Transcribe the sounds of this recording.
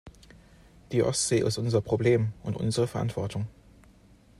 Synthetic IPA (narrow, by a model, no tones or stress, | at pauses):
d̥iːʔɔ̰stz̥eːʔɪ̰stʔʊnzɐpʁ̥obleːmʔʊntʔʊ̰nzəʁ̞əfɛɐʔa̰ntv̥ɔɐtʰʊŋ